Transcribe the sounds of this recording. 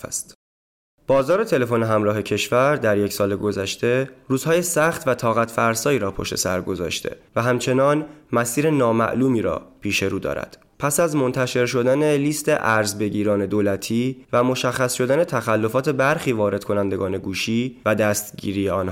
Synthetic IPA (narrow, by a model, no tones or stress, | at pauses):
st̪ | b̥ɒːzɒːɾe̞t̪ʰe̞le̞fo̞ne̞ɦæmɾɒːɦe̞cʰe̞ʃvæɾd̪æɾje̞csɒːleɡo̞zæʃt̪e̞ruːzhɒːjesæxt̪væt̪ʰɒːɣæt̪ʰfæɾsɒːiːɾɒːpʰoʃt̪ʰe̞̰sæ̰ɾɡo̞zɒ̰ːʃt̪ʰḛvæɦæmt͡ʃʰe̞nɒːnmæsiːɾe̞nɒːmæ̰ʔluːmiːɾɒ̰ːpʰiːʃe̞ɾuːd̪ɒ̰ːɾæ̰d̪̥ | pʰæsæzmo̞nt̪ʰæʃe̞ɾʃo̞d̪æne̞liːst̪e̞̰ʔæɾzbe̞ɟiːɾɒːne̞d̪oːlæt̪ʰiːvæmo̞ʃæxːæsʃo̞d̪æne̞t̪ʰæxælːo̞fɒːt̪ʰe̞bæɾxiːvɒːɾe̞d̪̥kʰo̞nænd̪e̞ɡɒːne̞ɡuːʃiːvæd̪æst̪ɟḭːɾiːeɒːnh